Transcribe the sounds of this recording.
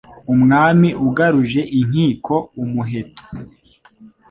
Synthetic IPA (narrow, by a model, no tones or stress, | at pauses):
umŋaːmiʔuɡaɾuʒe̞ʔiŋ̥iːkʰo̞umuɦe̞tʰo̥